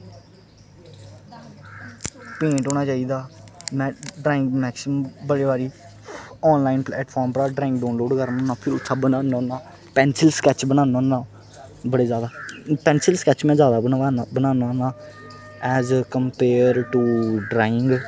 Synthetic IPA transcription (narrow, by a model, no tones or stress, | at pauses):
pẽːʈɦoːnaːt͡ʃaːiːd̪aːmɛ̃ːɖɾaːɪ̃ŋɡmɛːksɪmbəɽeːbaːɾiː | ɔːnlaːɪnplɛːʈpʰɔːɾmpɾaːɖɾaːɪ̃ŋɡɖaːnloːɖkəɾmə̃nãːpʰɪɾʊt̪ʰːʃʰaːbənaːnõːnaː | pɛ̃ːnsɪlsə̥kɛːt͡ʃbənãːnãːnãː | bəɽeːzjaːd̪aːpɛ̃ːnsəlskɛːt͡ʃmɛ̃ːzjaːd̪aːbənãːnaːnãː | ɛːzkəmpeːɾʈuːɖɾaːɪŋɡ